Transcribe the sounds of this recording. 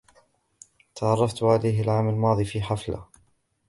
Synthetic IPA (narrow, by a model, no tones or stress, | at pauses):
t̪ɑʕɑrˤːɑft̪ʕalajɦalʕaːmalmɑːðˤiːfiːħafla̰